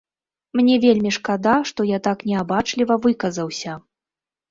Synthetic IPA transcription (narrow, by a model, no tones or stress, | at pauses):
mnʲɛvʲelʲmʲiʂkad̪aʂt̪ɔjat̪aknʲɛabat͡ʂlʲivɐvɨkɐzɐwsʲɐ